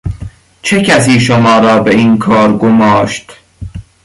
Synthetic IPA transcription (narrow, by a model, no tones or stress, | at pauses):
t͡ʃʰe̞cʰæs̬iːʃomɒːɾɒːbeiːnkʰɒːɾɡomɒːʃt̪